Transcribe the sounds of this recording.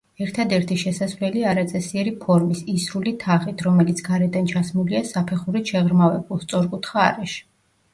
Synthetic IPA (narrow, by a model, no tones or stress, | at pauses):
ɛɾt̪ʰad̪ɛɾt̪ʰiʃɛsasvlɛliaɾat̪sʼɛsiɛɾipʰɔɾmisisɾulit̪ʰaχit̪ʰɾɔmɛlit̪sʰɡaɾɛd̪ant͡ʃʰasmuliasapʰɛχuɾiʃɛʁɾmavɛbulˠst̪sʼɔɾkʼut̪ʰχa̰ːɾɛʃ